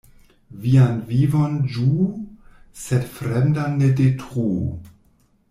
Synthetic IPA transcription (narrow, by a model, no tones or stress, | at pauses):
vianvivond͡ʒu | sɛdfɾemdanːedetʁu